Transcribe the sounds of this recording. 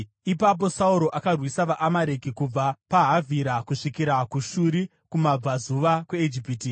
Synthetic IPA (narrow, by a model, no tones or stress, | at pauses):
ipap̬o̞sauɾo̞ʔakarwisaʋaʔamaɾe̞kikub͡vapaɦavʱiɾakuʂikiɾakuʃuɾi | kumab͡vazuʋakweed͡ʒipiti